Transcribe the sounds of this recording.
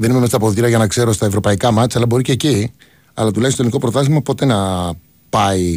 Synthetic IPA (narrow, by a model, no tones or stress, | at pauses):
ðe̞nimemest̪ɐpo̞ðiɾɐʝɐnɐkse̞ɾo̞st̪ɐe̞vɾo̞pɐikɐmɐt͡sɐlɐbo̞ɾiceci | ɐ̰lɐt̪ulɐçist̪oliniko̞pɾot̪ɐzimɐpo̞t̪e̞nɐ | pɐi